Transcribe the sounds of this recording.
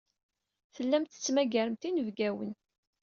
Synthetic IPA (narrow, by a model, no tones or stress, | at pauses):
θəlːæmt̪ə̥t͡sːmæɡæɾəmt̪inəvɡæwən